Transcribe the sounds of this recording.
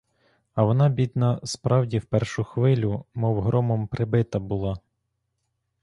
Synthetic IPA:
ɐʋɔnɑbʲid̪nɐspɾɑwdʲiwpɛrʃʊxʋɪlʲʊmɔwɦɾɔmɔmpɾɪbɪt̪ɐbʊlˠɑ

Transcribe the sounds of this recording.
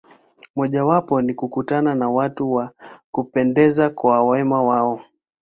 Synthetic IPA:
mɔʄawapɔnikukutananawatuwakupɛndɛzakwawɛmawaɔ

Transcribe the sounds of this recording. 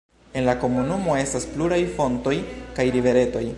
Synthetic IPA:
e̞nlako̞munumo̞e̞staspluɾajfo̞nto̞jkajɾive̞ɾe̞to̞j

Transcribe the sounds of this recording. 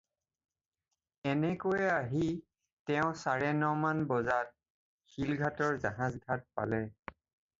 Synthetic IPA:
ɛnɛkojɛaɦi | tɛʊ̃saɹɛnɔmanbɔzat̚ | xilɡʱatɔɹzaɦãzɡʱat̚pa̰lɛ

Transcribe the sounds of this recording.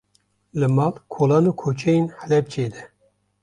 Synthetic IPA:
lɨmɑːlkʰoːlɑːnuːkʰoːt͡ʃʰɛjenhɛlɛb̚t͡ʃʰeːd̪ɛ

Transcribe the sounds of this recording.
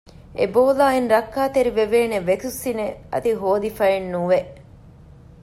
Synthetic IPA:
ḛboːlaːinɾɐkːaːt̪eɾiʋeʋeːneʋet̪usːineɐ̰t̪iɦoːd̪ifɐenːuʋeʔ

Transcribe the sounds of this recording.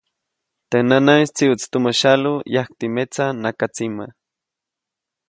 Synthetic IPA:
t̪enanaist͡siut͡st̪umaʃalujakt̪imet͡sanakat͡sima

